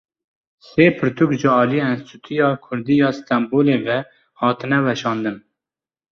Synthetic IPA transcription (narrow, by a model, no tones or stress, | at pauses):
seːpʰɨɾt̪ʰukʒɪɑːlijeɛnst̪ʰut̪ʰijɑːkʰʊɾd̪ijɑːst̪ɛmboːleːvɛ | hɑːt̪ɨnɛwɛʃɑːnd̪ɨn